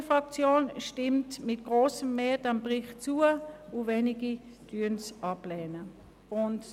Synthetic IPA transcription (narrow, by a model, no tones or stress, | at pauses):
fʁɑk̚t͡sjoːnʃtɪmtmɪt̚ɡ̥ʁoːsəmːeːdanbʁɪχt͡suːəuvɛniɡi | tyːənsʔɑplɛːnə | ʊnt